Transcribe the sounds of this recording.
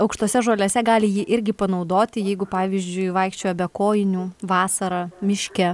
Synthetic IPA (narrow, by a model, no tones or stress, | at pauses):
ɐʊkʃt̪oːsʲɛʒoːlʲɛsʲɛɡɑːlʲɪjiːʔɪɾʲɡʲɪpɐnɐʊd̪oːt̪ʲɪjɛɪɡʊpɑːʋʲiːzʲd͡ʒʲʊɪʋɐɪkʃʲt͡ʃʲoːjɛbʲɛkoːjɪnʲuːʋɑːsɐɾɑːmʲɪʃʲkʲɛ